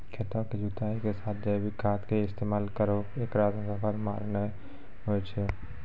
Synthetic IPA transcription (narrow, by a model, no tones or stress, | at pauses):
kʰet̪aːked͡ʒuːt̪aːikesaːt̪̚ʰd͡ʒəʋikaːt̪ʰkeɪst̪eːmaːlkəɾoeːkɾaːt̪sɐpʰəɾmaːɾnə | ɦot͡ʃʰe